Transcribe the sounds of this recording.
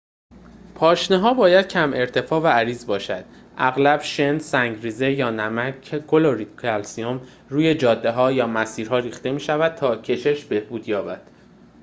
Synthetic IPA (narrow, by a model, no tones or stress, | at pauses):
pʰɒːʃneɦɒːbɒːjæd̪̥̚cʰæme̞ɾt̪ʰe̞fɒːvææɾiːzbɒːʃæ̰d̪̥ | ʔæɣlæb̥ʃe̞nsæŋɟɾiːze̞jɒːnæmækʰkʰoloɾikʰælsiom | ruːje̞d͡ʒɒːd̪ːe̞ɦɒːjɒːmæsiːɾɦɒːɾiːxt̪e̞miːʃævæd̪̥̚t̪ʰɒːcʰe̞ʃe̞ʃbe̞hbuːd̪jɒːbæd̪̥